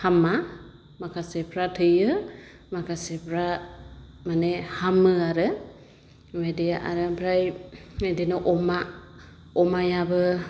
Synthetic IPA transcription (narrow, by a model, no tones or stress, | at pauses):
hama | makʰasɛpʰɾatʰɯjɯ | makʰasɛpʰɾa | manɛhamɯaɾə | wɛdɛaʔa̰ɾəbʰɾajwɛdɛnɔʔɔma | ɔmajabɯ